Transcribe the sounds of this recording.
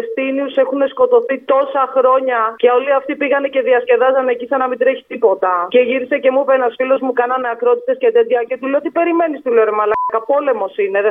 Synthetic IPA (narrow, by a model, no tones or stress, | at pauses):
st̪iniusexune̞sko̞t̪o̞θit̪o̞sɐxɾo̞ɲɐceo̞liɐft̪ipiɣɐnece̞ðiɐsce̞ðɐzɐnecisɐnɐmid̪ɾe̞çi̥t̪ipo̞t̪ɐce̞ʝiɾise̞ce̞mupenɐsfilo̞zmukɐnɐneɐkɾo̞t̪it̪e̞scet̪ed̪ʝɐcet̪ileot̪ipe̞ɾime̞nist̪ileɾemɐlɐɐkɐpo̞le̞mo̞sineðe